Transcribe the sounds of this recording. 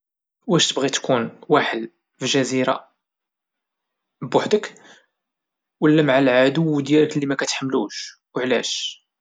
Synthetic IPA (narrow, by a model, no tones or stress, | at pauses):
wæʃt̪əbɣit̪kunwaħəd̪ | fiʒæziɾa̰ | bbʊħd̪ək | wəlːæmaʕalʕad̪ʊwːd̪jæləklimækæt̪ħəmːluʃ | wʕlæ̰ʃ